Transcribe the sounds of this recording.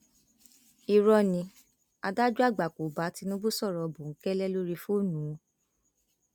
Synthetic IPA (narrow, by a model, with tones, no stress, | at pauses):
i˨ɾɔ˧nĩ˧˦ | a˧da˦d͡ʒu˦a˦˨ɡ͡ba˨ko˨ba˨˦ti˦nũ˦bo˦sɔ˦˨ɾɔ˨bũ˨ŋ̩˨˦kɛ˦lɛ˦lo˦ɾi˧fu˦˨nũ˨˦˨